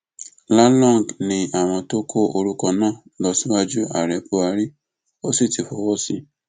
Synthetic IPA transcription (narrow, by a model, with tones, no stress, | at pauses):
la˦lɔ̃˦˨ŋ˨ɡnĩ˧a˨w̃ɔ̃˧to˦kʰo˦o˧ɾu˦kɔ˧nãː˦˨ | lɔ˧sĩ˦wa˦d͡ʒu˦a̰˨ɾɛ˨˦po˧a˧ɾi˦ | o˦si˦˨ti˨fo˨˦wɔ˦si˦